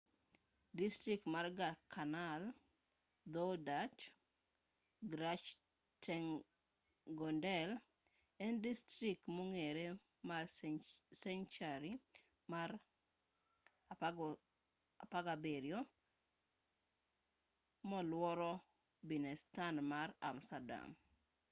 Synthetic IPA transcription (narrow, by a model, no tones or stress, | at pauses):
distɾik̚tmarɡakʰanal | d̪ɔdat͡ʃ | ɡɾat͡ʃ | tɛŋ | ɡɔndɛl | ɛndistɾik̚moŋeɾe | ma | sɛnt͡ʃaɾi | maɾ | apaɡabeɾjo | mɔlwɔɾɔ | binɛstanmaɾa̰mstada̰m